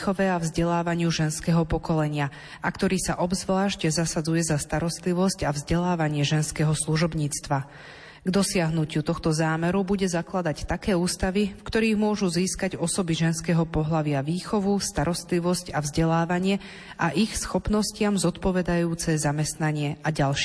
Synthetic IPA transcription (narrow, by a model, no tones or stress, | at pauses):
xɔʋɛavzɟɛlaːʋaɲɪuʒɛnskɛːɦɔpɔkɔlɛɲɪa | akt̪ɔɾiːsaʔɔbzʋlaːʃcɛzasad͡zujɛzast̪aɾɔst̪liʋɔscavzɟɛlaːʋaɲɪɛʒɛnskɛːɦɔsluʒɔbɲiːt͡st̪ʋa | ɡd̪ɔsɪaɦnucut̪ɔxt̪ɔzaːmɛɾubuɟɛzaklad̪act̪akɛːuːst̪aʋifkt̪ɔɾiːɣmʊɔʒuziːskaɟɔsɔbiʒɛnskɛːɦɔpɔɦlaʋɪaʋiːxɔʋust̪aɾɔst̪liʋɔscavzɟɛlaːʋaɲɪɛ | aʔixsxɔpnɔscɪamzɔt̪pɔʋɛd̪ajuːt͡sɛzamɛst̪naɲɪɛʔaɟalʃ